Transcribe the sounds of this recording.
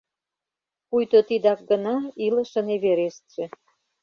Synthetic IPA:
pujt̪ot̪id̪ɑk̚ɡənɑilə̆ʃə̆neβeɾest̪t͡ɕĕ

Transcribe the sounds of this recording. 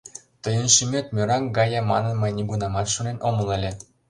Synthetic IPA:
t̪ɤ̆jɤ̆nʃimʲet̪mʲøɾɑŋɡɑjɑmɑ̰nɤ̆nmɤ̆jnʲiɡunɑmɑt̪ʃunenʔomɤ̆lˠĕlʲĕ

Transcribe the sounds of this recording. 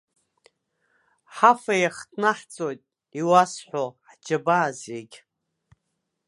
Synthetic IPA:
ħafajaχtʰʼnaħt͡sʼojtʼ | iwasħʷoħd͡ʒabaːzeɡʲ

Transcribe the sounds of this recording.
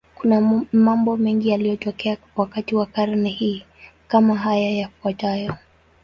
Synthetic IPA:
kunamambɔmɛŋɡialijɔtɔkɛa | wakatiwakaɾnɛhiː | kamaɦajajakuatajɔ

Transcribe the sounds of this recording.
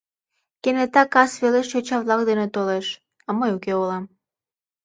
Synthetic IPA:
kenet̪ɑkɑsβeleʃt͡ɕot͡ɕɑβlˠɑk̚d̪enet̪oleʃ | ɑməjukeolɑm

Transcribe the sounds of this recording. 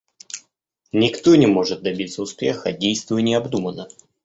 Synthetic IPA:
nʲɪkt̪o̞nʲɪmo̞ʐɨt̪̚d̪ɐbʲit̪səʊspʲe̞xədʲejst̪vʊənʲɪɐbd̪umənə

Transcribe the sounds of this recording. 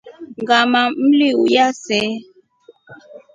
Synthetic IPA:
ŋɡamam̩liujasɛ

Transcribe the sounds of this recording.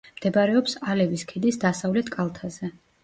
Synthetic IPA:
md̪̥ɛbaɾɛɔpsalɛviskʰid̪isd̪asavlɛt̪ʰkʼalˠt̪ʰazɛ

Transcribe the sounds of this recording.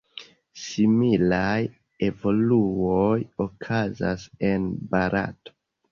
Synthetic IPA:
similaj | e̞vo̞luojokʰaza̰se̞nbaɾa̰to̥

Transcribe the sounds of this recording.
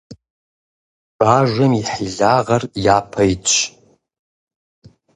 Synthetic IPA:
b̥aːʒʷɐmiħiɮaːʁɐrjaːpʰɐjt͡ʃʷʰʼ

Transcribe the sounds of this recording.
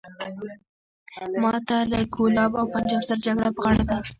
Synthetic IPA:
mɑt̪alaɡolɑbawpand͡ʒɑbzaɾd͡ʒaɡɽapəɣɑɽad̪a

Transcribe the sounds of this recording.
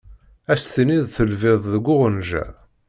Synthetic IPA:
æst̪niðθəlvɪðˤðəɡʷːʊʁənʒæ̰

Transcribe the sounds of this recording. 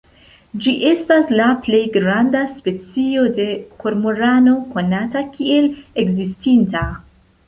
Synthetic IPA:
d͡ʒiʔe̞staslaple̞jɡɾandaspe̞t͡sio̞de̞ko̞ɾmoɾano̞ko̞natakie̞leɡzistinta

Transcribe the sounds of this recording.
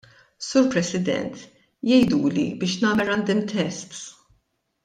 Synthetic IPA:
suːɾpɾɛsɪd̪ɛ̰nt̪ | jɛjd̪uːlḭbɪːʃnɐːmɛɾɐnd̪ɪmt̪ɛst̪

